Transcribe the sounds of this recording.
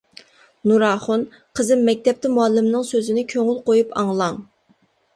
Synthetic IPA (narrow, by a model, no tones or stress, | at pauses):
nuɾɑːχʊn | qʰəzɪmːɛk̚ʲt̪ʰɛp̚t̪ʰɪmuɑlːɪmnɨŋsøzɪnɪkʲʰøŋylˠqojupʰɑŋlˠɑŋ